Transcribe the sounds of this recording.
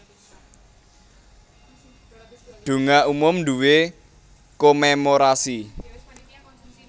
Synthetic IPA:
ɖ̪̥ṳŋaumʊmnd̪uwe | komemoɾasi

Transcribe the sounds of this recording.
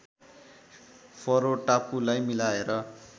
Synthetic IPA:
pʰoɾoʈapulajmilaeɾʌ

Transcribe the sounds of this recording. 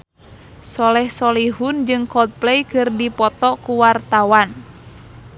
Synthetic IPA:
sɔlɛhsɔliɦund͡ʒɨŋkɔt̪̚plɛjkɨrdipɔt̪ɔkuwart̪awan

